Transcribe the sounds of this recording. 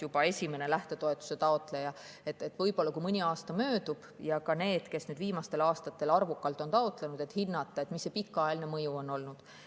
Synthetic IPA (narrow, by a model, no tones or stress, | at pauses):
jub̥ɑe̞sʲime̞ne̞læht̪e̞t̪o̞e̞t̪ːˑu̥se̞t̪ɑo̞t̪ˑlejɑ | et̪ːˑet̪ːˑvɤ̞jpo̞lːɑkumɤnʲiɑːst̪ɑmø̞ːd̪ub̥jɑkɑne̞ːd̪̥ke̞snyːd̪viːmɑst̪e̞lɑːst̪ɑt̪ːe̞lɑrvukːˑɑlt̪ːˑo̞nt̪ɑot̪lenud̪̥e̞t̪hinːɑt̪ːˑɑet̪misːepikːˑɑelnemɤjuo̞nːo̞lnud̪̥